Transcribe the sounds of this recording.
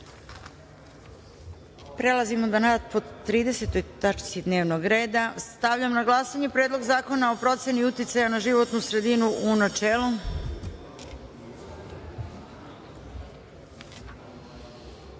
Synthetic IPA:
pɾe̞lˠazimo̞d̪anat̪̚po̞t̪ɾiːd̪e̞se̞t̪o̞jt̪at͡ʃsid̪ne̞ːʋnoɡɾeːd̪ast̪aʋʎamnaɡlˠasaɲepɾed̪lˠo̞ɡzaːko̞nao̞pɾo̞t̪se̞niut̪it̪sajanaʒiʋo̞t̪nusɾe̞d̪inuʔunat͡ʃeːlˠu

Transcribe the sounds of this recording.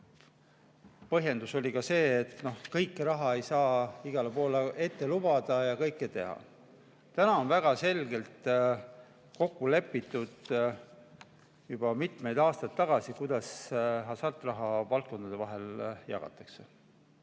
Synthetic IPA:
pɤɦje̞nd̪uso̞lʲikɑse̞ːt̪no̞hkɤjkːˑɾɑɦɑe̞jsɑːiɡ̥ɑlepo̞ːlee̞t̪ːe̞lub̥ɑd̪̥ɑjɑkɤjkːˑet̪e̞hɑ̰ | t̪ænɑo̞nvæɡ̥ɑse̞lɡe̞lt̪ | ko̞kːule̞pːit̪ːˑud̪̥ | jub̥ɑmit̪me̞jd̪ɑːst̪ɑt̪ːɑɡ̥ɑsikujd̪̥ɑsɦɑsɑrt̪ːˑrɑɦɑvɑlt̪̚ko̞nd̪ɑd̪e̞vɑɦe̞ljɑ̰ɡ̥ɑ̰t̪ːˑɑkse

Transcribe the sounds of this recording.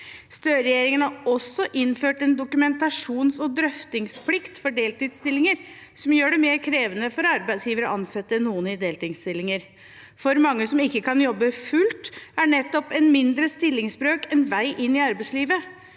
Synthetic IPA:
st̪øːɾɛjeːɾɪŋənhɑɾɔsːɔʔɪnføːʈɛnd̪ʊkʉmɛnt̪ɑʂuːnsɔd̪ɾœft̪ɪŋspʰlɪkt̪fɔɖeːlt̪iːd̪st̪ɪlːɪŋəɾ | sɔmjøːɖɛmeːɾkʰɾeːʋənəfɔɾɑɾbæɪsjiːʋəɾəʔɑnsɛt̪ːənuːənɪd̪eːlt̪ɪŋst̪ɪlːɪŋəɾ | fɔɾmɑŋːəsɔmɪkːəkɑnjɔbːəfʉlt̪æɳɛt̪ːɔpɛnmɪnd̪ɾəst̪ɪlːɪŋsbɾøːkɛnʋæɪʔɪnːɪɑɾbæɪsliːʋə

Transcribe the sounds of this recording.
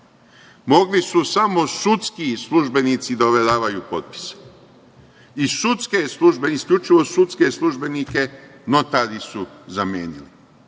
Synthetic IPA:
mo̞ɡlisusamo̞sut̪skislˠuʒbe̞niːt̪sid̪aoʋedaːʋajuːpo̞̰t̪̚pi̥se̥ | isut̪ske̞slˠuʒbeiskʎʲut͡ʃiʋo̞sut̪ske̞slˠuʒbe̞nike̞no̞t̪aɾisuzamjḛːnili

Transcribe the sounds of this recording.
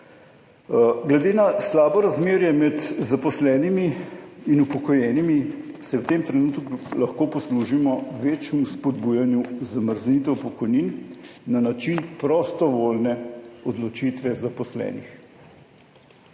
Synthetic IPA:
ɡlɛd̪eːnaslaːbɔɾazmeːɾjɛmɛt̪zapɔslɛːnimiinupɔkɔjɛːnimisɛwt̪eːmt̪ɾɛnuːt̪kulɐxkoːpɔsluʒimɔʋeːt͡ʃumuspɔd̪bujanjuzaməɾznit̪ɛwpɔkɔjninːanat͡ʃinpɾɔst̪ɔʋoːlnɛɔd̪lɔt͡ʃit̪ʋɛzapɔslɛ̰ːnix

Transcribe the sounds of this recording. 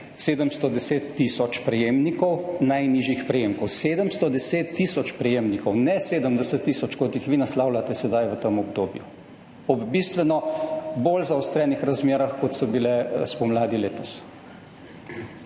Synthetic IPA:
seːd̪əmst̪ɔd̪ɛseːt̪ːisɔt͡ʃpɾɛjeːmnikɔwnajniːʒjixpɾɛjeːmkɔwseːd̪əmst̪ɔd̪ɛseːt̪ːisɔt͡ʃpɾɛjemnikɔwnɛseːd̪əmd̪ɛsət̪ːisɔt͡ʃkɔt̪jixʋinaslawlat̪ɛsɛd̪ajʋət̪əmɔbd̪oːbju | ɔbbist̪ʋɛnɔbolzaɔst̪ɾɛːnixɾazmeːɾaxkɔt̪sɔbilɛspɔmlaːd̪ileːt̪ɔs

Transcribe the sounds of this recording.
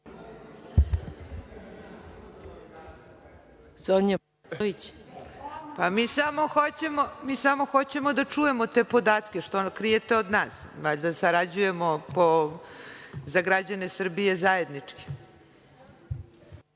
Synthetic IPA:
zoɲa | ʋit͡ɕ | pamiːsamo̞xot͡ɕe̞momiːsamo̞xo̞t͡ɕe̞mod̪at͡ʂuje̞mot̪e̞ːpo̞d̪aːt̪kʲe̞ʃt̪okɾije̞t̪eod̪naːsʋaʎd̪asaɾad͡ʑuje̞mo̞po | zaɡɾad͡ʑane̞sr̩bije̞zaje̞d̪nit͡ʂki̥

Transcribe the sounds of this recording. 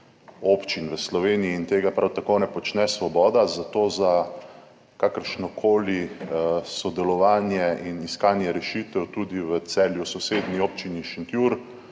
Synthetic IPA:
opt͡ʃinʋəslɔʋeːniiːnt̪eːɡapɾawt̪akonɛpɔt͡ʃnɛsʋɔbɔːd̪azat̪oːza | kakəɾʃnɔkʰoːli | sɔd̪ɛlɔʋaːnjɛiniskaːnjɛɾɛʃit̪ɛwt̪uːd̪iʋət̪sɛljusɔseːd̪nioːp̚t͡ʃiniʃint̪juɾ

